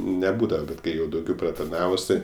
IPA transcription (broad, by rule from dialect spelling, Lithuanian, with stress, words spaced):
nʲɛˈbuːdɐʋɐ ˈbʲɛt ˈkɐɪ jɛʊ dɐʊˈɡʲɛʊ prɐtɐrˈnɑːʋʊs tɐɪ